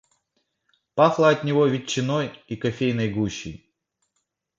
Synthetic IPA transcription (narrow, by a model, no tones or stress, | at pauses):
paxlˠəɐt̪ʲnʲɪvovʲɪt͡ɕːɪnojikɐfʲejnɐjɡuɕːɪ̰j